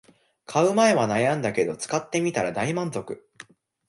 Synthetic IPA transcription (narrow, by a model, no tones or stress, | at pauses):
kʰaɯ̟mae̞βanajãnd̪ake̞d̪o̞t͡sɨ̥kat̪ːe̞mʲit̪aɾad̪aimãnzo̞kɯ̟